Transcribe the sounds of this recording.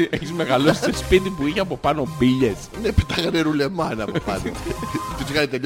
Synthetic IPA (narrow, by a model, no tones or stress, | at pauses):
eçizmeɣɐlosi̥sespit̪ipuiçeɐpo̞pɐno̞biʎesnepit̪ɐxɐneɾulemɐnɐopɐnot̪isɣɐnit̪eʎ